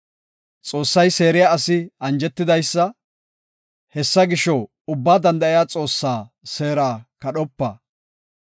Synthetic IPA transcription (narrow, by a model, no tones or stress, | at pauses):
t͡sʼo̞ːsːɐjse̞ːɾɪjaɐsɪɐnd͡ʒɛt̪ːɪd̪ɐjsːɐ | hɛsːɐɡɪʃɔ | ʊbːaːd̪ɐnd̪ɐʔɪjaːt͡sʼo̞ːsːaː | se̞ːɾaːkɐɗɔpːɐ̰